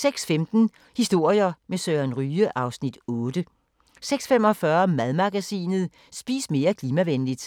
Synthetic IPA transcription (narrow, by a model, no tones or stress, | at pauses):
seɡ̥sfemd̥n̩ | hisd̥o̝ɐ̰jɐmesøænʁyːəʔɑ̈ʊsnid̥ɔ̽ːd̥ə | seɡ̥sfemɒ̽fɶɐmæðˠmɑ̈ɡ̥æsḭːnð̞̩ˠ | sb̥ḭːsme̝ːɐkʰliːmæʋenlid̥